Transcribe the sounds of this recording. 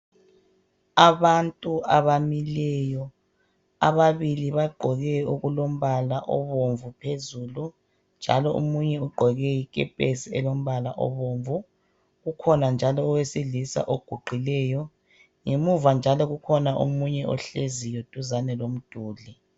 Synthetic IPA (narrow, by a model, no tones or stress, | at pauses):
aβantʼuaβamilɛjɔ | a̰βaβiliβaɡ͡ǃʱɔɣɛoɣulom̩βalaʔɔ̰βoɱvupʰezuːlu | nd͡ʒʱa̰lɔʔṵmuɲɛuɡ͡ǃʱɔɣɛjikʼɛpʼesiɛlom̩βala̰ʔɔ̰βoɱvu | ɣukʰɔnand͡ʒʱalɔːwesilisa̰ʔoɡ̥ʱuɡ͡ǃʱilɛjɔ | ŋemuvand͡ʒʱalɔɣukʰɔnaʔṵmuɲɛʔɔ̰ɬezijod̥ʼʱuzanɛlom̩d̥ʱuːli